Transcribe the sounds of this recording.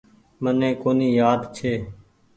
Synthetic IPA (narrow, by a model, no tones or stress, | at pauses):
mənẽːkoːniːjaːd̪t͡ʃʰeː